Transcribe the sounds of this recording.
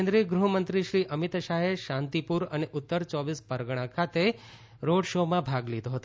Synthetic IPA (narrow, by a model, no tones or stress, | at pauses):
nd̪ɾiɡɾuɦmənt̪ɾiʃɾiʔəmit̪ʃaɦeʃãnt̪ipuɾəneʔʊt̪ːəɾt͡ʃɔʋispəɾɡɽ̃ãkʰat̪e | ɾoɽʃomãbʱaɡlid̪oɦət̪